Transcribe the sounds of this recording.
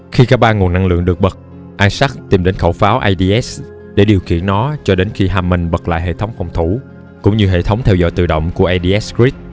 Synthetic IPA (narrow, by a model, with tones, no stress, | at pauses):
xi˧kaː˦˥k̚ɓaː˧ŋu˨˩ənːa˧ŋlɨ̰˧˨əŋɗɨ˨˩ək̚ɓə˨˩k̚ | ʔaː˧nsa˦˥k̚t̪i˨˩mɗe˨˦nxə˧˩wfaː˨˦wʔaː˧jɗi˧ʔɛ˦˥s | ɗe˧˩ɗi˨˩wkḭ˧˨ənːɔ˨˦t͡ɕɔ˧ɗe˨˦nxi˧ɦaː˧˩mːï˨˩ŋ̟ɓə˨˩k̚la̰ː˧˨ɦḛ˧˨t̪ʰə˨˦wŋ͡mfɔ˨˩wŋ͡mt̪ʰu˧˩ | kʊ̰˧˥wŋ͡mɲɨ˧ɦḛ˧˨t̪ʰə˨˦wŋ͡mt̪ʰɛ˧wzɔ̰˧˨jt̪ɨ̰˧˨˩ɗə̰˧˨wŋ͡mku˧˩əʔaː˧jɗi˧ʔɛ˦˥ski˦˥t̚